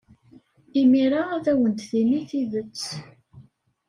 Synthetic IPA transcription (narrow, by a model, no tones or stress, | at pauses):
imiɾaæθæwənt̪θiniθiðət͡sː